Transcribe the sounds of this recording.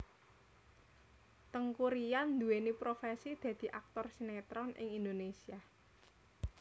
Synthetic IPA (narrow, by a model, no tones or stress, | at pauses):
t̪əŋkuɾijand̪uwenipɾofesid̪̥ä̤d̪̥i̤ʔak̚t̪ɔrsinɛt̪ɾɔnʔɪ̰ŋind̪onesia